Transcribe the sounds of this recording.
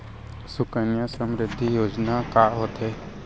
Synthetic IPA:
sʊkənjasə̃mɾɪd̪ʱːijoːd͡ʒnakaɦoːt̪ɦɛː

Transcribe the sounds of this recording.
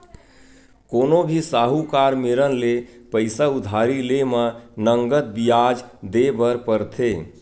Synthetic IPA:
konobʱisaɦukaɾmeɾənlepəɪsaud̪ʱaɾilemənəŋɡət̪̚bijad͡ʒd̪ebəɾpəɾt̪ʰe

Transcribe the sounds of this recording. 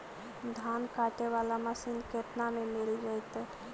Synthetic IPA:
d̪ʱaːnkaːʈeʋaːlaməsinket̪namẽmeɾid͡ʒajt̪

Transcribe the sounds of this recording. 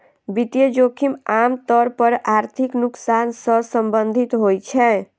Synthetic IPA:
bit̪ijəd͡ʒokʰimamt̪əɾpəɾaɾt̪ʰiknuksansəsəmbənd̪ʱit̪ɦojt͡ʃʰɛ

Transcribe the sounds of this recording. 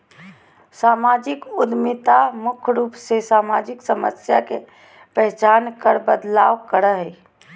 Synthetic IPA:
saːmaːd͡ʒɪkʊd̪mɪt̪amʊkʰɾuːpsesaːmaːd͡ʒɪksəmə̰sjake | pɛɦt͡ʃaːnkəɾbəd̪la̰ːʋkəɾəɦɛ

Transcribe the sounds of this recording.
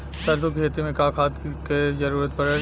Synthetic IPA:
sɐɾd̪okʰeːt̪imẽkaːkʰaːt̪kezɐɾuːɾət̪̚pɐɾə

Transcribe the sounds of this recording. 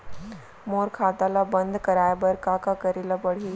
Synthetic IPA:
moːɾkʰaːt̪alabə̃nd̪kəɾaːebəɾkaːkakəɾilabəɽ̤iː

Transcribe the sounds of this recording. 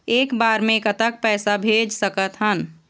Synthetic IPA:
eːkbaːɾmẽkət̪ək̚pɛːsabʱed͡ʒsəkət̪ɦən

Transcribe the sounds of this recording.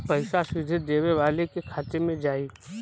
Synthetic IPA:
pɐɪʃasɪd̪ʱɪd̪eːʋeʋaːlekekʰaːt̪emẽd͡ʒaːi

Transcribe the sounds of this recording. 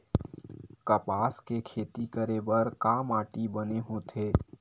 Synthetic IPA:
kɐpaːskekʰeːt̪ikəɾebəɾkaːmaːʈibɐneɦõt̪ʰeː

